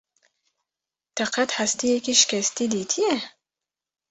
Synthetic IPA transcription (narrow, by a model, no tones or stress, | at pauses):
t̪ʰaqat̪hast̪ijekiʃi̥kʲast̪id̪it̪ʰie